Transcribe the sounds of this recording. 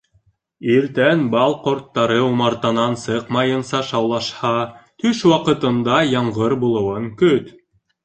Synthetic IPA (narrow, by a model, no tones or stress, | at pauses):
iɾt̪ænbɑlˠqŏɾt̪ːɑɾɤumɑɾt̪ɑnɑnsɤqmɑjɤnsɑʃɑwlˠɑʃhɑt̪ʰɵʃwɑqɤ̆t̪ɤ̆nd̪ɑjɑɴʁɤɾbulˠɤ̆wɤŋkɵt̪